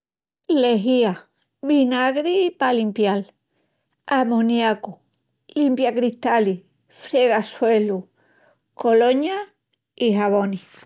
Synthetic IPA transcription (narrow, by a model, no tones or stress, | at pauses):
leɦia | βinaɣɾipalimpjal | amõnjaku | limpjakɾiht̪ali | fɾeɣaswelu | koloɲa | iɦaβ̞oni